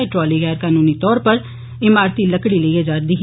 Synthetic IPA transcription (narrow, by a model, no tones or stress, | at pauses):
eʈɾɔːliːɡɛːɾkaːnuːniːt̪ɔːɾpəɾ | ɪmaːɾt̪iːləkɽiːləieːd͡ʒaːɾd̪iːɦ